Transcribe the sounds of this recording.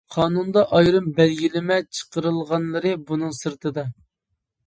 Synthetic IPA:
qʰɑːnund̪ɑʔɑjɾɨmbɛlɡʲilɪmɛt͡ʃʰə̥qəɾɨlˠʁɑnlˠəɾɨbunɨŋsɨɾt̪ʰɨd̪ɑ

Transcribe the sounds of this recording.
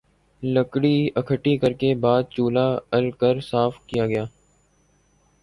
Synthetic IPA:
ləkɽiəkʰəʈikəɾkebaːd̪̚t͡ʃuːlaːəlkəɾsaːfkijaːɡɐjaː

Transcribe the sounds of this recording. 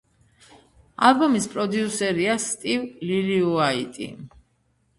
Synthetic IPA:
a̰lˠbɔmispʼɾɔd̪iusɛɾiast̪ʼivliliuait̪ʼḭ

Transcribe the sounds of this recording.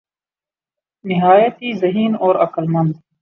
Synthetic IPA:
nɪɦaːjɐt̪izɐɦiːnoːɾɐkəlmɐ̃nd̪̚

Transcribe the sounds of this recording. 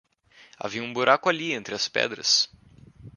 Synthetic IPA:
a̰viɐũbuɾakʊaliẽnt̪ɾɪɐspɛ̰d̪ɾɐ̰s

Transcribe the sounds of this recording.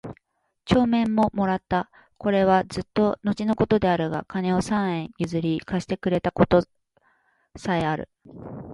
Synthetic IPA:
t͡ɕo̞ːmẽ̞mːo̞mo̞ɾat̪ːa | ko̞ɾe̞β̞azɨt̪ːo̞no̞t͡ɕino̞ko̞t̪o̞d̪e̞aɾɯ̟ɡa̰kane̞o̞sãɰ̃ẽ̞ɰ̃jɯzɨɾʲikaɕi̥t̪e̞kɯ̟ɾe̞t̪ako̞t̪o̞ | saeaɾɯ̟̰

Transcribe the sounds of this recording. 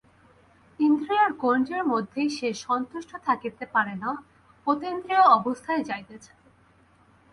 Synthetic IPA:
t̪ind̪ɾiaɾkond͡ʑeɾmod̪ʱːejʃeʃɔnt̪uʃʈʰot̪ʰakit̪epaɾena | pot̪end̪ɾioɔbost̪ʰaed͡ʑajt̪et͡ɕʰḁ

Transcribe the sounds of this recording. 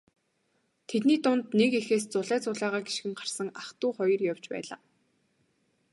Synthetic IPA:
t̪ʰet̪niːt̪ʊnt̪nekexeːst͡sʊɮæːt͡sʊːɮæːʁaːɡi̥ʃɡɘ̆ŋɢar̥sə̆ŋaχt̪ʊːχɔjɞ̆rjawt͡ɕpæ̰ːɮa̰ː

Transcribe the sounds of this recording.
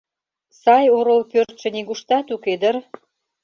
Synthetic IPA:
sɑjoɾolpørt̪ʃə̆niɣuʃt̪ɑt̪uked̪ər

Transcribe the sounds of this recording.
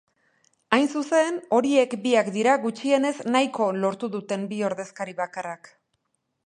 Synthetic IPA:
ajnsuse̞no̞ɾie̞kbiakd̪iɾaɣut͡ʃie̞ne̞znajko̞lo̞ɾt̪uðut̪e̞mbio̞ɾðe̞skaɾiβakarak

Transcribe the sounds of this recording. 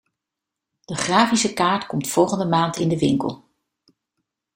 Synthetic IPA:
d̥əχraːfisəkaːɹtkɔmtfɔlˠχəndəmaːntɪndəʋɪ̰ŋkə̰lˠ

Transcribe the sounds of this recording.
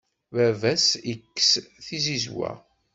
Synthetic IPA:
vævæsikːsθizizwæ̰

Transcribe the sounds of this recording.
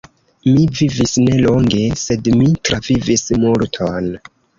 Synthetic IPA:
mivivisne̞lo̞ŋɡe̞se̞dmitɾavivismultʰon

